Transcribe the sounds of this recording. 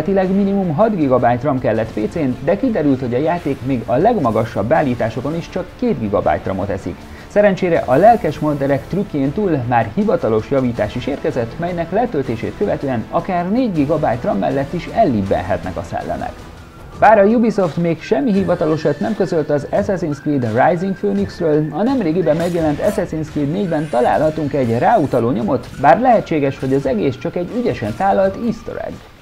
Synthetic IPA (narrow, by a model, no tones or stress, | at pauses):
t̪ilɛɡminimumɦɒd̪ɡiɡɒbaːjt̪rɒmkɛlːɛt̪peːt̪seːnd̪ɛkid̪ɛɾylt̪ho̞ɟɒjaːt̪eːkmeːɡɒlɛɡmɒɡɒʃːɒbːaːlːiːt̪aːʃo̞ko̞niʃt͡ʃɒkːeːd̪ɡiɡɒba̰jt̪rɒ̰mo̞̰t̪ɛsḭk | sɛɾɛnt͡ʃeːɾɛʔɒlɛlkɛʃmond̪ɛɾɛkt̪rykːeːnt̪uːlmaːrhivɒt̪ɒlo̞ʃjɒviːt̪aːʃiʃeːrkɛzɛt̪ːmɛjnɛklɛt̪ølt̪eːʃḛːt̪kø̞vɛt̪øːɛnɒkaːrneːɟɡiɡɒbaːjt̪rɒmːɛ̰lːɛt̪ːiʃɛlːibːɛ̰nɦɛ̰t̪nɛ̰kɒsɛ̰lːɛ̰mʔɛ̰k | baːɾɒjubiso̞ft̪meːkʃɛmːiɦivɒt̪ɒlo̞ʃɒt̪nɛmkø̞zø̞lt̪ɒzɛsɛzinskliːd̪rajziŋkføːniksrøːlɒnɛmreːɡibɛmːɛɡjɛlɛnt̪ɛsɛzinskliːd̪neːɟbɛnt̪ɒla̰ːlɦɒt̪uŋkɛɟraːut̪ɒloːɲo̞mo̞t̪baːrlɛɦɛt͡ʃːeːɡɛʃho̞ɟɒzɛɡeːst͡ʃɒkɛɟyɟɛʃɛnsaːlːɒlt̪ist̪o̰ɾɛ̰ɡ